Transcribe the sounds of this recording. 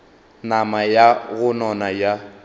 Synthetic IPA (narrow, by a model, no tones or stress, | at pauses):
namajaɣʊnɔnaja